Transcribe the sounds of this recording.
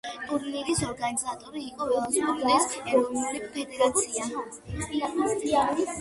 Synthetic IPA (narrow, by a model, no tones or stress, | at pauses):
kʼuɾnilisɔɾɡanizat̪ʼɔɾiːqʼɔɾɔɔnsmɔdlɛsɛɾɔnuɾipʰɛd̪ɛɾat̪sʰia | iaaiai